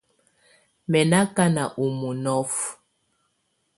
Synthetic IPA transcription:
mɛ˨na˦ka˦na˨ʔu˨mu˨nɔ˦f

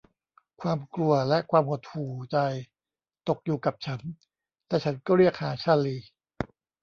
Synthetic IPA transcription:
kʰwaː˧mklu˧ɐlɛ˦˥ʔkʰwaː˧mho˨˧˩t̪̚huː˨˩t͡ɕa˧j | t̪o˨˩k̚juː˨˩ka˨˩p̚t͡ɕʰa˦˥n | lɛː˨˧˩t͡ɕʰa˦˥nkɔː˥˩ɾi˥˩ək̚haː˩˦t͡ɕʰa˥˩liː˧

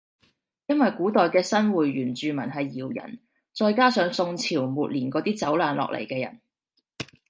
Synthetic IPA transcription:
jɐ˥nwɐ˨jkuː˨˥t̪ɔː˨jkɛː˧sɐ˥nwuː˨˩jːyː˨˩nt͡ʃyː˨mɐ˨˩nɦɐ˨jːiː˨˩wjɐ̰˨˩n | t͡ʃɔː˧jkaː˥sœː˨˥ŋsʊ˧ŋt͡sʰiː˨˩wmuː˨t̚liː˨˩nkɔː˨˥t̪iː˥t͡sɐ˨˥wlaː˨˧nlɔ̰ː˨k̚lʔḛ˨˩jkɛː˧jɐ̰˨˩n

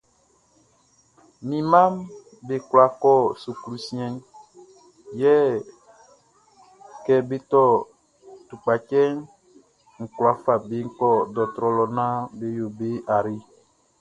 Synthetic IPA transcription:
mĩ˨mã˦m | be˨kwla˨kɔ˦˨su˨kɾu˦sĩ˦ɛ̃˦n | jɛ˦ | kɛ˦be˦t̪ɔ˦˨ | tu˨k͡pa˨t͡ʃɛ˦ŋ | ŋ̩˨kla˨fa˨be˨˦ŋ̩˦kɔ˦˨dɔ˨t̪ɾɔ˨lɔ˨nã˦be˨jo˨be˦a˨ɾi˦

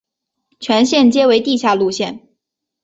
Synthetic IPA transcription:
t͡ɕʰɥɛ˧˥nɕjɛ˥˩nt͡ɕjɛ˥we˧˥ɪt̪i˥˧ɕja˥˧lu˥˧ɕjɛ˥˩n

